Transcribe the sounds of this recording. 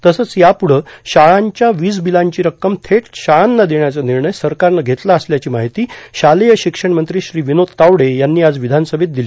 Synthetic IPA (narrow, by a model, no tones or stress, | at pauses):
t̪əsət͡sjapuɽ̤əɕaɭaɲt͡ɕjaʋiːd͡zbilaɲt͡ɕiːɾəkːəmt̪ʰeʈɕaɭanːad̪eɳjat͡saniɾɳəjsəɾkaɾnaɡʱet̪laəsljat͡ɕiːmaɦit̪iːɕalejəɕikʂəɳmənt̪ɾiːɕɾiːʋinot̪t̪ːawɽejanːiːad͡zʋid̪ʱanəsəbʱet̪̚d̪iliː